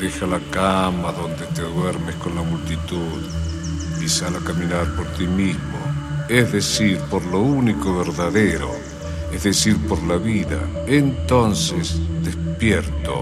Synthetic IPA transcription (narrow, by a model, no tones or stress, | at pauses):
d̪exalakamaðo̞nd̪e̞t̪eðweɾmesko̞nlamult̪it̪uð | isalakamĩnaɾpoɾt̪imizmo̰ezðesiɾpoɾlounikoβeɾðaðeɾo̰ | ezðesiɾpoɾlaβiða̰ | ent̪o̞nsesd̪espjeɾt̪o̰